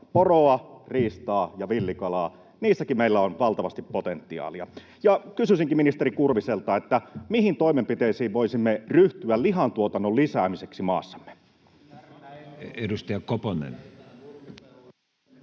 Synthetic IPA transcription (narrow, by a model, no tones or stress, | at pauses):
poroɑriːst̪ɑːjɑʋilːikɑlɑː | niːsːækimmeilːæonʋɑlt̪ɑʋɑst̪ippot̪ent̪ːiɑ̰ːliɑ̰ | jɑkysysiŋkiminist̪eɾikurʋiselt̪ɑet̪ːæmihint̪o̞imempit̪eisiːʋʋo̞isimːeryht̪yælliɦɑnt̪uot̪ɑnːollisæːmiseksimɑ̰ːsːɑ̥mːe̥ | edust̪ɑɑkoponḛn